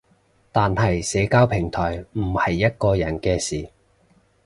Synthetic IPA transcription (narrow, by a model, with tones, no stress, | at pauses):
t̪aː˨nhɐ˨jsɛː˨˧˥kaː˥wpʰɪ˨˩ŋt̪ʰɔː˨˩jm̩˨˩hɐ˨jːɐ˥t̚kɔː˧jɐ˨˩nkɛː˧siː˨˩